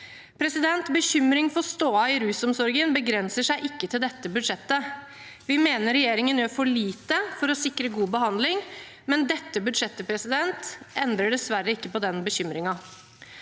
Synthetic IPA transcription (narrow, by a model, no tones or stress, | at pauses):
pʰɾɛsɪd̪ɛnt̪bəçʏmɾɪŋfɔst̪oːɑɪɾʉːsɔmsɔɾɡənbəɡɾɛnsəʂæɪʔɪkːət̪ʰɪld̪ɛt̪ːəbʉd̪ʂɛt̪ːə | ʋɪmeːnəɾɾɛjeːɾɪŋənjøːfɔɭiːt̪əfɔɾɔsɪkɾəɡuːbəhɑnd̪lɪŋ | mɛnd̪ɛt̪ːəbʉd̪ʂɛt̪ːəpʰɾɛsɪd̪ɛnt̪ʔɛnd̪ɾəɖɛsʋæɾəɪkːəpɔd̪ɛnbəɕʏmɾɪŋɑ